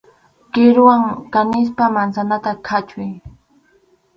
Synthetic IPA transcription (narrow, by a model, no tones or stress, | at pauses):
kɪɾʊwaŋkanɪs̬pamansanat̪akʰat͡ʃʊj